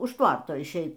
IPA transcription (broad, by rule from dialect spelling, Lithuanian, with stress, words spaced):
ʊʃ ˈtʋɐrtoː ɪʃʲˈɛɪt